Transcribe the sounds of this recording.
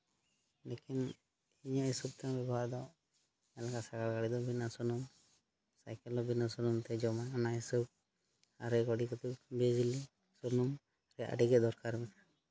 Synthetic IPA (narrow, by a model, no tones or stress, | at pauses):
lekin | iɲɔisub̚t̪aŋbɛbʱad̪ɔw | ɛlakasaɡaɽkaɽid̪ɔbʱinasɔnum | sajkɛlɔbʱinasunumt̪ɛd͡ʒɔmaanaisub̚ | a̰ɾɛɡɔɖikɔt̪ubed͡ʒili | sunum | ɾɛʔə̰ɖiɡɛd̪ɔɾkaɾmɛk̪a